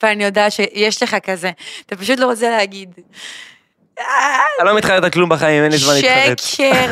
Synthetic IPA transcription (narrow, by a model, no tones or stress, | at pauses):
veanijo̞daːtʃejeʃle̞χakazeat̪apaʃut̪̬lo̞ʁot͡seleɦaɡid̪ | aalomit̪χaet̪aklumbaχaimenlizmanliʃetke